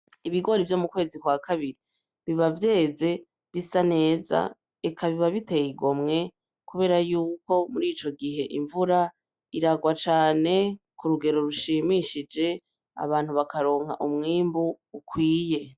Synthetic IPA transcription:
iβiɡo̞ɾivjo̞mukwe̞ːzikwakaβiɾi | βiβavje̞ːze̞ | βisane̞ːza̰ | ekʰaβiβaβite̞jiɡo̞mŋe̞ | kuβe̞ːɾajuːko̞muɾiːt͡ʃo̞ɡiɦe̞ʔiɱvuɾa | iɾaɡwat͡ʃaːne̞ | kuɾuɡe̞ɾo̞ɾuʃiːmiʃid͡ʒe̞ | a̰βaːn̥huβakaɾo̞ːŋ̥ha̰ʔumŋiːmbuː | kwiːje̞

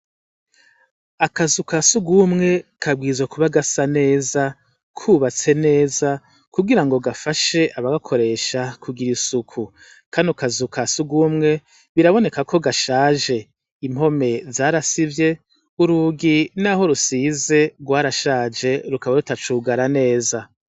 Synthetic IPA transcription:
akazukasuɡumŋe̞kʰab̚ɡiːzwakuβaɡasane̞ːza | kʰuːβat͡se̞ne̞ːza | kuɡiɾaŋɡo̞ɡafaʃe̞ʔaβaɡakʰoɾe̞ʃakʰuɡiɾisukʰu | kʰaːnukazukʰasuɡuːmŋe̞ | βiɾaβo̞ne̞kakʰo̞ɡaʃaːʒe̞ | im̥ho̞me̞zaːɾasivje̞ | uɾuɡinaɦo̞ɾusiːze̞ɡwaːɾaʃaːd͡ʒe̞ɾukaβaɾutat͡ʃuːɡaɾane̞ːza

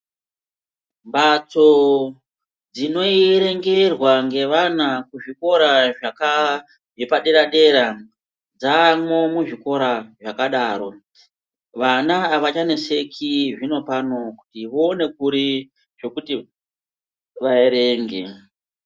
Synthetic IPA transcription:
mbat͡so̞ | d͡zino̞iiɾe̞ŋɡe̞rwaŋɡe̞ʋanakuʐiko̞ɾaʐaka | ʐepaɗe̞ɾaɗe̞ɾa | d͡zaːmo̞muʐiko̞ɾaʐakaɗaːɾo̞ | ʋanaːʋat͡ʃane̞se̞kʰiʐino̞pano̞ku̥tiʋoːne̞kuɾi | ʐ̥o̞kuti | ʋaeɾe̞ːŋɡe̞̰

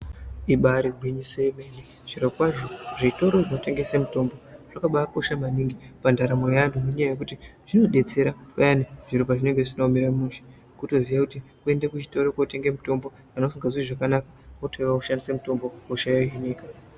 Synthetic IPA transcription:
iɓaɾiɡʱwiɲisemeni | ʐ̥irekwaʐoʐito̞ɾorinote̞ŋɡe̞semuto̞mbo̞ʐ̥akaɓako̞ʃamaniŋɡipandaɾamo̞janumuɲajaje̞k̬utiʐ̥ino̞ɗe̞t͡se̞ɾapajaniʐ̥iɾupaʐine̞ŋɡe̞ʐisinomiɾamunʃe̥ | kuto̞zijakutikue̞ndekut͡ʃito̞ɾokaute̞ŋɡemuto̞mbo̞ | anosiŋɡazuiʐakanakḁotoiʋakuʃandisamuto̞mbo̞oʃajaɦiniːka

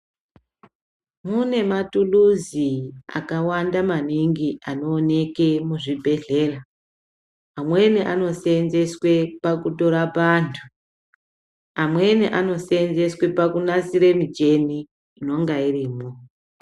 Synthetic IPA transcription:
mune̞matuluzia̰kawandamaniŋɡiano̞ːne̞ke̞muʐibʱe̞ɮe̞ra | mwe̞neʔano̞seːnze̞swe̞pakuto̞ɾapantʰu | amwe̞nʔano̞seːnze̞swe̞pakunasiɾe̞mit͡ʃe̞niː | no̞ŋɡairiːmo

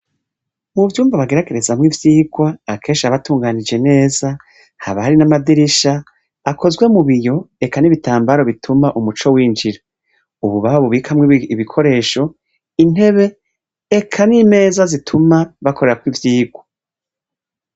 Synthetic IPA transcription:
muvjuːmvaβaɡe̞ɾaɡeɾe̞zamŋivjiːɡwaːkʰe̞ːnʃaβatuːŋɡaːnid͡ʒe̞ne̞ːza | ha̰βaaɾinamadiɾiʃaː | kʰo̞zɡwe̞muβijo̞e̞kaniβitaːmbaɾo̞βitʰumaʔumut͡ʃo̞wiːnd͡ʒiɾa | uβuβaβaβuβikʰamŋiiβikʰo̞ɾe̞ːʃo̞ | in̥he̞βe̞ː | kʰanime̞ːzazitʰumaβakʰoɾe̞ɾakwivjiːɡwa

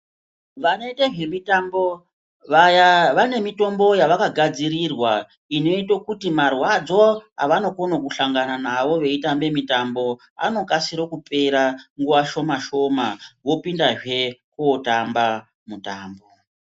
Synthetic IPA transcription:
ʋano̞iteʐe̞mitambo̞ | ʋajaʋane̞mito̞mbo̞jaʋakaɡʱad͡zirirwa | ino̞itokutimarwad͡zo̞a̰ʋano̞konokuɬaŋɡananaʋo̞ʋe̞itambe̞mitambo̞ | a̰no̞kasiɾokupe̞ɾaŋɡuʋaʃo̞maʃo̞maʋo̞pindaʐe̞kuotamba | mutaːmbo̞

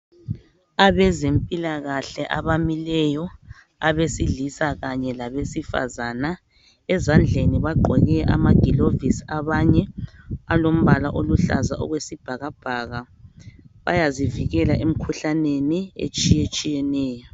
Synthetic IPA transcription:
aβɛzempʼilaɣaɬɛʔaβamilɛjɔ | aβesiɮisaɣaɲɛlaβesifa̰zana | ɛzand͡ɮʱeniβaɡ͡ǃʱɔɣɛʔa̰maɡ̥ʱilovisaβaɲɛalom̩βalaʔoluɬa̰za̰ʔɔ̰ɣwesib̥ʱaɣab̥ʱaɣa | βa̰jaziviɣɛlaʔem̩kʰuɬaneniḛt͡ʃʼijet͡ʃʼijɛnɛːjɔ

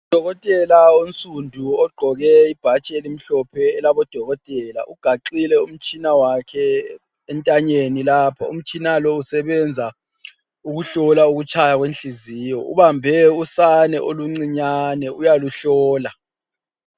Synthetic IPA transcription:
ud̥ʱɔɣɔtʼɛlaont͡sʼundʱuɔɡ͡ǃʱɔɣɛib̥ʱat͡ʃʼɛelim̩ɬɔpʰɛːlaβɔd̥ʱɔɣɔtʼɛla̰ʔuɡ̥ʱaǃilɛum̩t͡ʃʼinawakʰɛː | ntʼaɲenilaːpʰaṵm̩t͡ʃʼinalɔusɛβɛnd͡zʱa | uɣuɬɔlauɣut͡ʃʼʰajaɣwenɬiziːjɔṵβambʱɛusanɛʔoluŋ͡ǀiɲanɛujaluɬɔːla

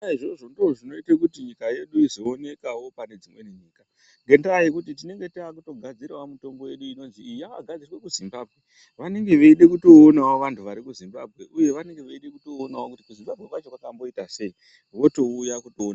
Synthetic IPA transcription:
aiʐoʐondoʐinoitekutiɲikaje̞ɗuizo̞ːne̞kawo̞pane̞d͡zimwe̞niɲiːka | ŋɡe̞ndajikutit̬ine̞ŋɡe̞tiakuto̞ɡʱad͡ziɾawamuto̞mbo̞je̞ɗuino̞nziːjaa̰ɡʱad͡zirwe̞kuzimbaːbʱɣe̞ | ʋane̞ŋɡe̞ʋeiɗekuto̞ːnawoʋantʰuʋaɾikuzimbab̚ʱɣe̞ʔuje̞ʋane̞ŋɡe̞ʋeiɗekuto̞ːnawokutikuzimbabʱɣe̞kwat͡ʃokwakambo̞itase̞i | ʋo̞to̞ujakutoːna

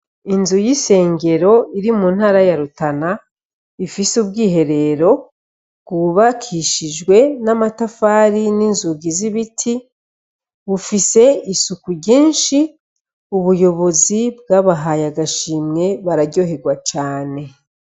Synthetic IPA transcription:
inzujise̞ːŋɟe̞ɾo̞iɾimuːn̥haːɾajaɾutana | ifisubɡiːɦe̞ɾe̞ɾo̞ | ɡuβakʰiʃid͡ʒɡwe̞namatafaːɾininzuɡiziβitʰi | βufise̞isukuɾɟiːnʃi | uβujo̞βo̞zib̚ɡaβaɦajaɡaʃiːmŋe̞βaɾaɟo̞ɦe̞ɡwat͡ʃaːne̞

